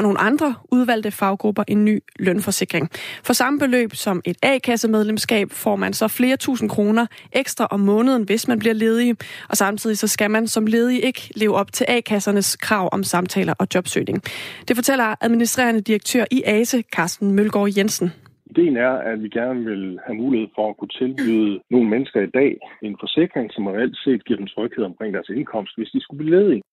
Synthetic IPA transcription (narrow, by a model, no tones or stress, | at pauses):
ɒno̝ːn̩̰ʔɑ̈nd̥ʁɐʔuð̞ˠʋæl̰d̥əfɑ̈ʊ̰ɡ̥ʁub̥ɐʔe̝nːy̰ːlœnfɒ̽se̝ɡ̥ʁeŋfɒ̽sɑ̈məb̥e̝lø̰ːb̥sɒ̽me̝d̥ɛ̰ːkʰæsəmeð̞ˠlemsɡ̥ɛ̰ːb̥fɒ̰ːmænsɒ̽fle̝ːɐt͡sʰṵːsn̩kʰʁo̝ːnɐʔeɡ̥sd̥ʁɐʔɒ̽mːɔ̽ːnəð̞ˠn̩ʋe̝smænbliɐ̰le̝ːð̞ˠiʔɒ̽sɑ̈mt͡sʰið̞̰ˠisɒ̽sɡ̥æmænsɒ̽mle̝ːð̞ˠiʔe̝ɡ̥əle̝ːʊɒ̽b̥t͡sʰe̝lʔɛ̰ːkʰæsɐnəskʰʁɑ̈ʊ̰ʔɒ̽msɑ̈mt͡sʰɛ̰ːlɐʔɒ̽d̥jɒ̽b̥sø̰ːne̝ŋd̥e̝fɒ̽t͡sʰel̰ɐʔæðˠminisd̥ʁḛːɐnəd̥iʁɐɡ̥̚t͡sʰøɐʔiʔɛːsəkʰɑ̈ːsd̥n̩mølɡ̥ɒ̰ːjensn̩ | id̥e̝̰ːn̩æɐædʋiɡ̥æɐnəʋe̝lhæmuːlihe̝ð̰ˠfɒ̽ækʰut͡sʰe̝lb̥yðˠəno̝ːn̩menəsɡ̥ɐid̥ɛ̰ːe̝nfɒ̽se̝ɡ̥ʁeŋsɒ̽mʁɛæl̰d̥se̝̰ːd̥ɡ̥ḭɐ̰dem̩t͡sʰʁœɡ̥heð̰ˠɒmkʰʁḛŋ̰d̥æɐse̝nkʰɒ̽m̰sd̥ʋe̝sd̥isɡ̥ub̥liːle̝ːðˠi